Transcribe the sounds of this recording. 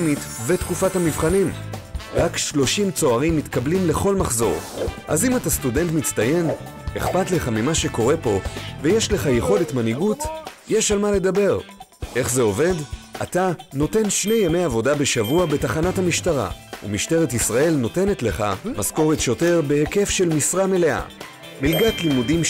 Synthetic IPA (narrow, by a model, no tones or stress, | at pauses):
mit | vetkufathamivχanimʁakʃlo̞ʃimt͡so̞aʁimːit̪kablimle̞χo̞lmaχzo̞̰ʁʔa̰zimatastude̞ntmit͡staje̞n | e̞χpatleχamimaʃe̞ko̞ʁe̞po̞vejeʃle̞χajeχo̞letmaniɡutjeʃalmale̞dabe̞ʁ | ʔe̞χze̞o̞ve̞da̰tano̞te̞nʃne̞jame̞javo̞dabe̞ʃavuabe̞taχanathamiʃtaʁa̰ṵmiʃte̞ʁetisʁae̞lno̞te̞netle̞χamasko̞ʁet̪ʃo̞te̞ʁbe̞heke̞fʃe̞lmisʁame̞le̞ʔa̰ | milɡatlimudim